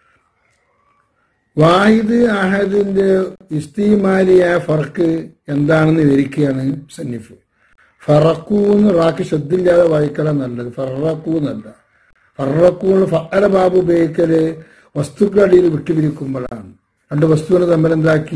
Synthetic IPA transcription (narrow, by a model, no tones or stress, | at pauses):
ʋaːjiðɨaːɦɐɐðinde̞ist̪ijmaːɾijajɐfɐrɐkːɨe̞nd̪aːɳenːɨʋɐɾikʲːujaːɳɨsɐnːifɨ | fɐrɐkːuenːɨraːkːɨɕɐd̪ːilːaːðɐʋaːjikːɐlɐnɐlːɐðɨfɐrːɐkːuːnɐlːɐ | fɐrːɐkːuuɭːɐfɐʔɐlɐbaːbubeːkːɐlɨ | ʋɐst̪ukːɐɽijilʋiʈːibiɾikʲːumbɐɭa̰ːɳɨ | ɾeɳɖɨʋɐst̪uʋɐnɨt̪ɐmːile̞nd̪aːkːi